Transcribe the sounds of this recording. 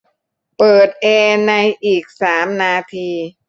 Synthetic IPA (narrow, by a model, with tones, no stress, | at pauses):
pɤː˨˩t̪̚ʔɛː˧na˧jʔiː˨˩k̚saː˩˦mnaː˧t̪ʰiː˧